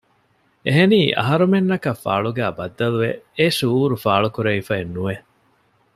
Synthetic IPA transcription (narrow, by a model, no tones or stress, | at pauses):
eɦeniːʔɐ̰ɦɐɾumenːɐkɐfːa̰ːɭuɡæːbɐd̪ːɐluʋeeʃuːɾufaːɭukuɾɐifɐenːuʋe